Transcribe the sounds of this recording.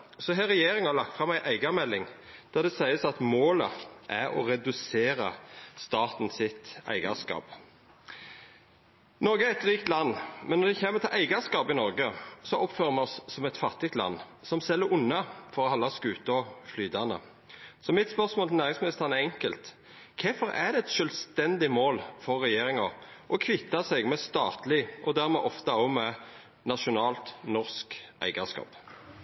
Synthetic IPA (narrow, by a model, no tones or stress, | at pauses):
sɔɦæɾɛjeːɾɪŋɑlɑk̚t̪fʁɑmæɪʔæɪɡɑmɛlːɪŋ | d̪̥ɑd̪ɛsæɪəsɑt̪moːləʔæɾɔ̰ɾɛd̪ʉseːɾə̰st̪ɑːt̪n̩sɪt̪æ̰ɪɡɑ̰skɑ̰ːp | nɔɾɡəæɾɛt̪ʁiːkt̪lɑnːmɛnːɔd̪ɛçeːməɾt̪ʰɪlʔæɪɡɑskɑːpɪnɔɾɡəsɔʔɔpføːɾəmɛɔsːɔmɛt̪fɑt̪ɪt̪lɑ̰nː | sɔmsɛlːəɾʊnːɑfɔɾɔhɑlːɑskʉːt̪ɔflyːd̪ɑnə̰ | sɔmɪt̪spœʁsmoːlnæːʁɪŋsmɪnɪst̪əʁnɛɛŋkəlt̪ | kʰɛfɔɾæ̰d̪ɛɛt̪ʃœlst̪ɛnd̪ɪmoːlfɔʁːɛjeːɾɪŋɑʔɔkʰʋɪt̪ːɑsɛɡmɛst̪ɑ̰ːt̪lɪʔɔd̪æːʁmɛʔɔft̪ɑɔmɛ | nɑʃʊnɑːlt̪nɔʁskʔæ̰ɪɡɑskɑ̰ːp